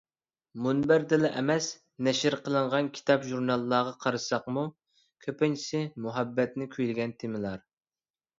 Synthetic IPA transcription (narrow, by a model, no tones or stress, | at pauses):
munbæɾd̪ɪlɛʔɛmɛs | nɛʃɪɾqʰəlˠəɴʁɑnkʲʰi̥t̪ʰɑpʒuɾnɑlˠːɑːʁɑqʰɑɾɨsɑqmu | kʲʰøpɪnt͡ʃʰi̥sɪmuɦɛbːɛt̪nɪkʲʰyjlɪɡʲɛnt̪ʰɪmɪlˠɑɾ